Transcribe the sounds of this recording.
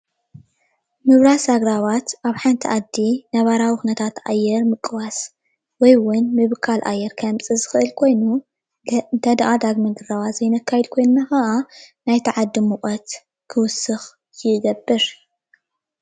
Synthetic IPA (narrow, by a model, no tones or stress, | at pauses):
mɨβɾasaɡɾaβat̪ʔaβħant̪ʰiʔad̪ːinɐβaɾawixunɐt̪ʰat̪ʔajːɛɾmɨkʼːɨwas | wɔjwʊnmɨβkʰalʔa̰jːɛɾkʰɐmt͡sʼɨzɨxɨʔɨlkʰo̞jnu | d̪ɐd̪ʔad̪aɡmɐnd̪ɨrawazjɪnɐkʰːajɛd̪kʰo̞jnɨnaxɐʔanajt̪ʰɐʕad̪ːimuχʼɐt̪ | kʰɨwʊsːɨx | jɪɡɐbːɨɾ